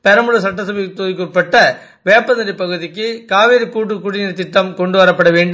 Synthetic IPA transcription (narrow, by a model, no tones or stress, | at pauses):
pɛɾɐmɯɻɐs̬ɐʈːɐsɐʋit̪ːuːjkurpːɐʈːɐ | ʋeːpːɐnɐɾɪpːɐɣɯðɪkːɯkaːʋiːɾɯkːuːʈ̬ːɯkːuɽɪnɪɾt̪ɪʈːɐmkɔɳɖɯʋɐɾɐpːɐɽɐʋeːɳɖɯm